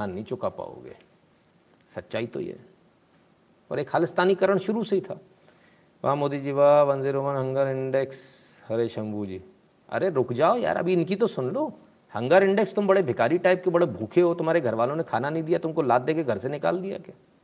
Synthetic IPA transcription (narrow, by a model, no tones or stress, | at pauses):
aːnːɐĩt͡ʃʊkapa̰ːo̰ɡḛː | sɐtːʃaːit̪o̰ḭ | ɔ̰ːɾeːkʰaːlɪst̪aːnikɐɾəɽ̃ʃʊɾuseɦit̪ʰaː | ʋa̰moːd̪id͡ʒiʋaːʋɐ̃nzeɾoːmənɦɐ̃ŋɡəɾɪ̃ɳɖɛks | hɐɾeːʃɐ̃mbud͡ʒiː | ɐ̰ɾeɾʊkʰd͡ʒaːoja̰ːɾɐ̰bʱiɪnkit̪osʊnloː | hɐ̃ŋɡaɾɪ̃ɳɖɛkst̪ʊmbɐɽebʱekaːɾiʈaːɪb̚kebɐɽebʱuːkʰeɦot̪ʊm̤aːɾeɡʱɐɾʋaːlõnekʰaːnanɐɦĩd̪ijat̪ʊmkolaːt̪̚d̪eːkeɡʱɐɾsenɪka̰ːld̪ija̰kjaː